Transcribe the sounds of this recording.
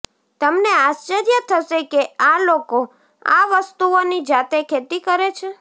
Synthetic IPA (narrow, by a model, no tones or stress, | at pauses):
t̪əmneast͡ʃəɾjət̪ʰəʃekealoko | a̰ʋəst̪uonid͡ʒat̪ekʰet̪ikəɾet͡ʃʰe